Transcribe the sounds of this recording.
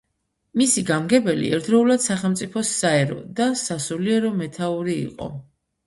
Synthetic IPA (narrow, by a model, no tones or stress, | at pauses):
misiɡamɡɛbɛlḭɛ̰ɾd̪ɾɔulad̪̥saχɛlˠmt̪sʼipʰɔsːaɛɾɔ̰d̪asasuliɛɾɔmɛt̪ʰauɾḭːqʼɔ̰